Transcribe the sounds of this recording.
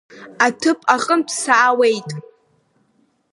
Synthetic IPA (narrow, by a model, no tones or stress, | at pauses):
atʰɨpʼaqʼənpʰsaːwe̞jtʼ